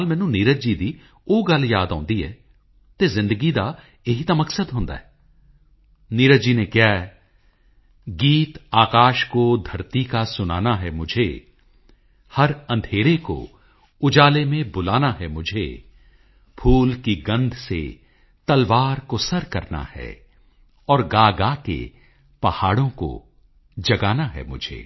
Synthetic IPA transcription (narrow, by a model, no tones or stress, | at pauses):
lmɛːnũːniːɾəd͡ʒiːd̪iː | oːɡəljaːd̪ã̰ːnd̪iɦɛ̰ː | t̪eːzɪ̃nd̪əɡid̪a | ɪɦit̪aməksəd̪ɦõːnd̪a̰ːɦɛː | niːɾəd͡ʒiːnẽːkjaːɛ | ɡiːt̪aːkaːʃkod̪ʱɐɾt̪ikasʊna̰ːnaɦɛmʊd͡ʒʱḛː | həɾɐ̃nd̪ʱeːɾeko̰ | ʊd͡ʒaːlemẽbʊlaːnaɦɛmʊd͡ʒʱḛ | pʰuːlkiɡɐ̃nd̪ʱsḛ | t̪ɐlʋaːɾkosɐɾkɐɾna̰hɛ̰ | ɔːɾɡaːɡakḛ | pɐhaːɽõko̰ | d͡ʒɐɡaːnaɦɛ̰mʊd͡ʒʱḛː